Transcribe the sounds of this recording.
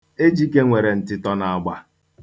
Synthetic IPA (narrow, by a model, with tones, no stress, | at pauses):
e˦d͡ʒi˦ke˦ŋʷe˨ɾe˨n̩˨tɪ˦tɔ˦na˨a˨ɡ͡ba˦